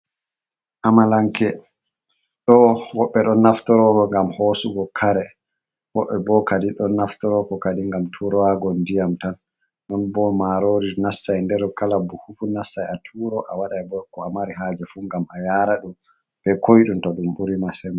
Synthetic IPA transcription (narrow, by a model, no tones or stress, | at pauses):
ʔamalaŋkɛ | ɗɔwɔɓːɛɗɔnːaftɔɾɔkɔŋɡamhoːsuɡɔkʰaɾɛ | wɔɓːɛbɔkadiɗɔnaftɔɾɔkɔkadiŋɡamtʰuɾɔwaɡɔndijamtan | nɔnbɔmaɾoɾiɾnasːajndɛɾkalabuhufunasːajatʰuɾɔʔawaɗajbɔkːɔamaɾiɦad͡ʒɛfuŋɡamajaːɾaɗum | b̥ɛkojɗumtɔɗumɓuɾimasɛma